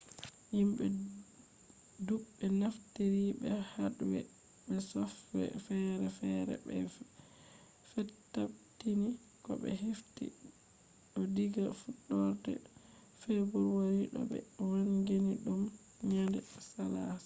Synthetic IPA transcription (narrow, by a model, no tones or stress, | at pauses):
himɓɛ | duɓːɛnaftiɾibɛhaɗuwɛ̰ | ɓɛsɔfːɛ̰fɛɾɛfɛɾɛ̰bɛ | fɛtːaptini | kɔ̰ɓɛ̰ɦiftḭ | ɗɔdiɡafuɗːɔɾtɛ̰ | fɛbɔɾwaɾiɗɔ̰ɓɛ̰wanɡeniɗum | ɲandɛsalas